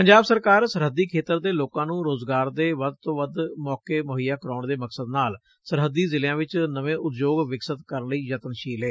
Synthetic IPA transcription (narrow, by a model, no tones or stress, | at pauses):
pəɲd͡ʒaːbsəɾkaːɾsəɾɦəd̪iːkʰeːt̪əɾd̪eːloːkãːnũːɾoːzɡaːɾd̪eːʋəd̪̚t̪õːʋəd̪mɔːkeːmoːɦɪjaːkəɾɔːɳd̪eːməksəd̪naːl | səɾɦəd̪iːzɪljãːʋɪt͡ʃnəʋẽːʔʊt̪d͡ʒoːɡʋɪksət̪kəɾənləiːd͡ʒət̪ənʃiːleː